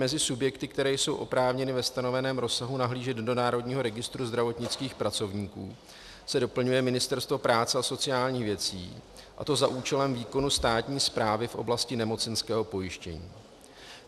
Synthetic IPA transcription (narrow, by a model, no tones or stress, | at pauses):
mɛzɪsubjɛkt̪ɪk̚t̪ɛɾɛːjso̞wʔo̞pɾaːvɲɛnɪvɛst̪ano̞vɛnɛːmɾo̞saɦunaɦliːʒɛt̪do̞naːɾo̞dɲiːɦo̞ɾɛɡɪst̪ɾuzd̪ɾavo̞t̪ɲɪt͡skiːxpɾat͡so̞vɲiːkṵː | sɛdo̞pl̩ɲujɛmɪnɪst̪ɛɾst̪vo̞pɾaːt͡sɛaso̞t͡sɪjaːlɲiːxvjɛt͡sḭːʔa̰t̪o̞zaʔuːt͡ʃɛlɛmviːko̞nust̪aːt̪ɲiːspɾaːvɪfʔo̞̰blascɪnɛmo̞t͡sɛnskɛːɦo̞po̞jɪʃcɛ̰ɲḭː